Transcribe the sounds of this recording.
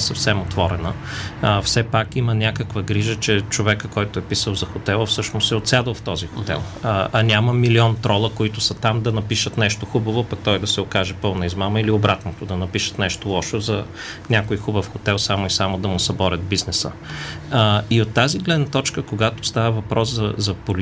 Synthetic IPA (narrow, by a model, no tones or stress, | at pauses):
sɐfsɛmot̪vɔɾɛnə̰ | fsɛpakimənʲakəkvəɡɾiʒət͡ʃɛt͡ʃovɛkəkɔjt̪ʊɛpisəlˠzɐxot̪ɛlˠəfsɤʃnost̪ɛot̪sʲad̪əlˠft̪ɔzixot̪ɛ̰lˠɐnʲaməmiliɔnt̪ɾɔlˠəkoit̪ʊsɐt̪amd̪ɐnɐpiʃət̪nɛʃt̪oxubəvopɐk̚t̪ɔjd̪ɐsɛokaʒɛpɤlˠnɐizmaməiliobɾat̪not̪ʊd̪ɐnɐpiʃə̥t̪nɛʃt̪olˠɔʃozɐ | nʲakoixubəfxot̪ɛlˠsamoisamod̪ɐmʊsɐbɔɾʲəd̪̚biznɛsə̰ | iot̪ːaziɡlɛd̪nɐt̪ɔt͡ʃkəkoɡat̪ʊst̪avəvɐpɾɔszɐzɐpol